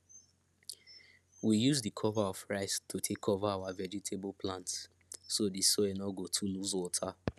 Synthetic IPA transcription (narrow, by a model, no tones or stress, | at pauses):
wijuzdikʰɔvaɔfɹaɪstʰutʰekʰːɔvaawavɛd͡ʒitʰeblpʰlãntsː | odisoɛnɔɡotʰuluzwɔtʰa